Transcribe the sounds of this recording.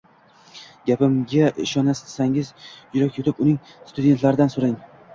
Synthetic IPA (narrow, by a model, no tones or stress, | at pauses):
ɡʲapɪmɡʲaʔɪ̰ʃɒnassaŋɪzjʊɾakʲot̪ʰɪpʊnɪŋ | st̪ʊd̪ʲe̞nt̪laɾɪd̪ansoɾɪŋ